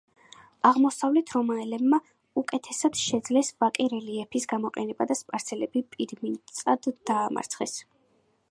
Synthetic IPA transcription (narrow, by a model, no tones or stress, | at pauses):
aʁmɔsavlɛt̪ʰɾɔmaɛlɛbma | ukʼɛt̪ʰɛsad̪̥ʃɛd̪zlɛsvakʼiɾɛliɛpʰisɡamɔqʼɛnɛbad̪aspʼaɾt̪sʰɛlɛbipʼiɾmint̪sʼad̪ːaːma̰ɾt̪sʰχɛ̰s